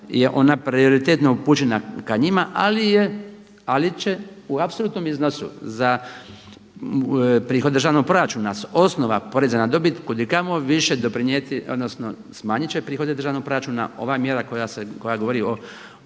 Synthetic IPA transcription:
jeʔo̞̰napɾio̞ɾit̪et̪noupuːt͡ʃenakaɲimaʔalije | alit͡ʃe̞uapsolˠuːt̪nomiznosṵza | pɾiːxo̞d̪d̪ɾ̩ʒaʋnoɡ̚pɾo̞ɾat͡ʃunasosno̞ʋapo̞ɾezanad̪o̞bit̪kod̪ikamoʋiʃed̪opɾiɲjet̪io̞d̪no̞sno̞ | smaːɲit͡ɕepɾiːxo̞d̪ed̪ɾrʒaʋnoɡ̚pɾo̞ɾat͡ʃuna̰o̞̰ʋaːmjeɾakojaseko̞jaɡoʋoɾio

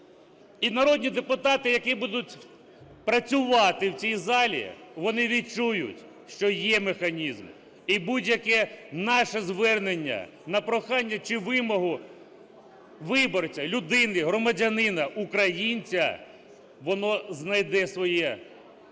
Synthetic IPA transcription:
inɐɾɔdʲnʲid̪epʊt̪ɑt̪ɪjɐkibud̪ʊt̚ʲ | pɾɐt͡sʲʊʋɑt̪ɪwt͡sʲijzɑlʲḭʋɔnɪʋʲit̚t͡ʃujʊ̰tʲ | ʃt͡ʃɔjɛmexɐnʲizm | ibudʲjɐkɛnɑʃɛzʋɛrnenʲːɐ̰ | nɐpɾɔxɑnʲːɐt͡ʃɪʋɪmɔɦʊ | ʋɪbɔrt͡sʲɐlʲʊd̪ɪnɪɦɾɔmɐdʲɐnɪnɐʔukɾɐjinʲt͡sʲɐ̰ | ʋɔnɔznɐjd̪ɛsʋɔjɛ

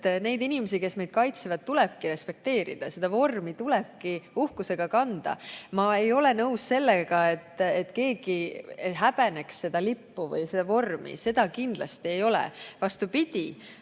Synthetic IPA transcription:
ne̞jd̪inimes̬ike̞sme̞jd̪̥̚kɑjt̪sevɑd̪̚t̪ulɛb̥̚kiɾe̞spe̞k̚t̪e̞ːɾḭd̪̥ɑse̞d̪̥ɑvo̞rmit̪ulɛb̥kiuhkuse̞ɡ̥ɑkɑnd̪̥ɑ̰mɑe̞jo̞le̞nɤusse̞lːeɡ̥ɑe̞t̪ːet̪ːke̞ːɡ̥ieɦæb̥ene̞ksːe̞d̪̥ɑlipːuvɤ̰jse̞d̪ɑvo̞rmḭse̞d̪̥ɑkind̪̥lɑ̰st̪ie̞jo̞lɛ̰vɑst̪upid̪̥i

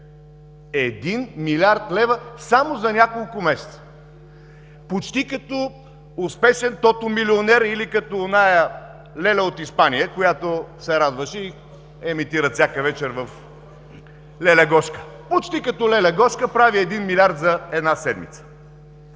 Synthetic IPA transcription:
ɛd̪inmilʲaɾt̪lɛvəsamozɐnʲakolˠkʊmɛsɛ̥t̪sə̥ | pot͡ʃt̪ikɐt̪ɔ | ʊspɛʃɛnt̪ɔt̪omilionɛɾilikɐt̪onajə | lɛlɛot̪ispanijəkojat̪osɛɾad̪vəʃɛi | ɛmit̪iɾət̪sʲakəvɛt͡ʃɛɾvɐf | lɛlɛɡɔʃkə̥ | pot͡ʃt̪ikɐt̪ɔlɛlɛɡɔʃkəpɾaviɛd̪inmilʲiaɾt̪zɐɛd̪nasɛd̪mḭt̪sə̥

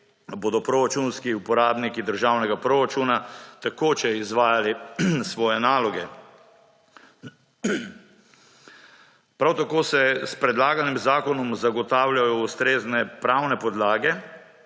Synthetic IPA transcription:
boːd̪ɔpɾoɾat͡ʃunskiupɔɾaːbnikid̪əɾʒawnɛɡapɾoɾat͡ʃuːnat̪akoːt͡ʃɛizʋaːjalisʋɔːjɛnaːlɔɡɛ | pɾawt̪akoːsɛspɾɛd̪laːɡanimzaːkɔnɔmzaɡɔt̪aːwljajɔust̪ɾeːznɛpɾawnɛpɔd̪laːɡɛ

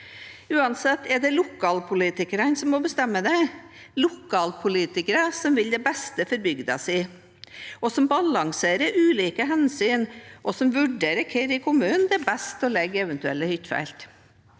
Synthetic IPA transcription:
ʉːɑnsɛt̪ːɛɖɛlʊkʰɑːlpʰʊliːt̪ɪkəɾənsɔmːɔbəst̪ɛmːəd̪ɛ | lʊkʰːɑːlpʰʊliːt̪ɪkəɾəsɔmʋɪld̪ɛbɛst̪əfɔɾbʏɡd̪ɑsɪ | ɔsɔmbɑlɑŋseːɾəɾʉːliːkəɦɛnsyːnʔɔsɔmʋʉɖeːɾəkʰɛɾɪkʰʊmʉːnnd̪ɛɛbɛst̪ɔlɛɡːəɛʋɛnt̪ʉɛ̰lːəhʏt̪ːfæ̰ɪlt̪

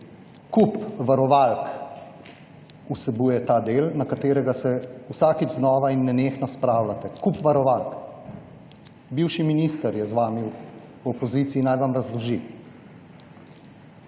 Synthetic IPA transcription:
kupʋaɾɔʋalk | usɛbuːjɛt̪aːd̪elnakat̪eːɾɛɡasɛusaːkid͡ʒznɔːʋainːɛnexnɔspɾaːwlat̪ɛkupʋaɾɔʋalk | biwʃiminiːst̪əɾjɛzʋaːmi | ɔpɔzit̪siːnajʋamɾazlɔʒi

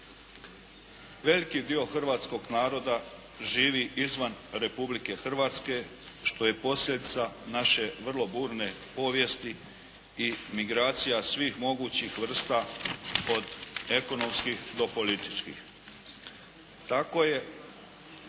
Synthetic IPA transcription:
ʋe̞likid̪io̞xr̩ʋaːt̪sko̞ɡnaːɾo̞d̪a | ʒiːʋiʔizʋanɾe̞publike̞xr̩ʋaːt̪ske̞ | ʃt̪o̞je̞po̞sʎʲed̪it̪sanaʃe̞ʋr̩lˠo̞buːɾne̞po̞ːʋje̞st̪i | imiɡɾaːt̪sijasʋiːxmo̞ɡuːt͡ɕixʋr̩st̪a | o̞d̪e̞ko̞no̞mskixd̪o̞po̞lit̪i̥t͡ʃkḭx | t̪ako̞ːje̞

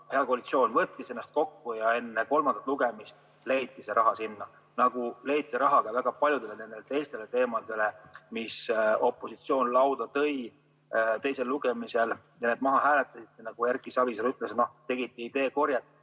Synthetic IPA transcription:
he̞ɑkoɑlit̪sio̞ːnvɤt̪ːise̞nːɑst̪̚ko̞kːujɑe̞nːeko̞lmɑnd̪ɑt̪ˑluɡe̞mist̪ | le̞jt̪ːiseɾʔɑɦɑsinːɑ | nɑɡ̥ule̞jt̪ːiɾɑɦɑɡ̥ɑvæɡ̥ɑpɑlʲjud̪̥e̞lene̞nd̪̥elet̪e̞jst̪e̞le̞t̪e̞ːmɑd̪̥e̞le̞misopːˑo̞sit̪sio̞ːnlɑwd̪̥ɑt̪ɤj | t̪e̞jse̞lːuɡ̥emise̞l | jɑne̞ːd̪̥̚mɑɦɑɦæːle̞t̪ːˑɑsit̪ːˑenɑɡ̥ujærkˑisɑviselyt̪ːˑlesno̞t̪e̞ɡ̥it̪ˑːiid̪̥e̞ːko̞rjɑt̪ːˑ

